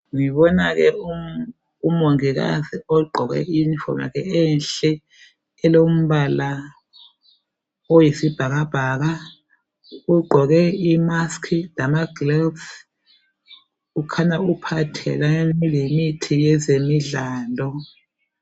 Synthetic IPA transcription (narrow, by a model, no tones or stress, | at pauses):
ŋiβɔnaɣɛu | umoŋiɣa̰ziɔɡ͡ǃʱɔɣɛ̰infʰɔ̰ma̰ɣɛɛnɬɛ | ɛlom̩βala | ojisib̥ʱaɣab̥ʱaːɣa | uɡ͡ǃʱɔɣɛimaskʰilamaɡ̥lɛls | ukʰanaupʰatʰɛ̰laeilemitʰijɛzemiɮaːlɔ